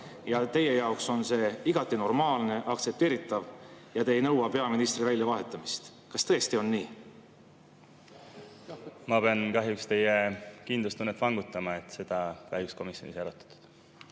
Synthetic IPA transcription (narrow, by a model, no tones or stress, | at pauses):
jɑt̪e̞je̞jɑokso̞nse̞iɡ̥ɑt̪ːˑino̞rmɑːlne̞ʔɑkt̪se̞p̚t̪eːɾit̪ːˑɑvjɑt̪e̞jnɤwwɑpe̞ɑminist̪rivælʲjɑvɑɦe̞t̪ˑːɑmist̪ | kɑst̪ɤ̞ːest̪io̞nːiː | mɑpeɑnkɑɦjukst̪e̞jekind̪lust̪unːet̪vɑŋɡ̥ut̪ːˑɑmɑet̪ːse̞d̪̥ɑkɑhjuksko̞misjo̞niseɾot̪ːˑɑ̥t̪ːˑu̥d̪̥